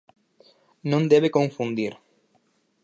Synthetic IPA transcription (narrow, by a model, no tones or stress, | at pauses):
nõnd̪eβekõɱfund̪iɾ